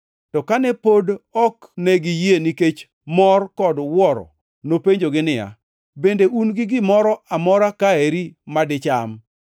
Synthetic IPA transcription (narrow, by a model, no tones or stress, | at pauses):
tɔkanɛpodɔknɛɡɪjeniket͡ʃ | mɔrkɔdwɔɾɔ̰ | nopeɲd͡ʒoɡɪnɪja̰ | bendeʔunɡɪɡɪmɔɾɔamɔɾakaeɾimadɪt͡ʃam